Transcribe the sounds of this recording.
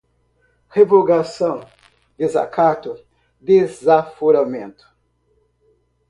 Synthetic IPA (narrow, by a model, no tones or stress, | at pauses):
hevoɡasɐ̃w̃ | d̪eza̰kʰat̪ʊ | d̪ezafoɾamẽnt̪ʊ̥